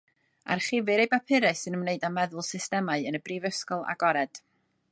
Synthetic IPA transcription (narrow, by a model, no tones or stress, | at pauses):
a̰rχɪvɨɾejbapʰɪɾɨsɨnəmneɨdamɛðʊlˠsɪstɛmaɨənəbriːvəskɔlˠa̰ɡɔɾɛd̥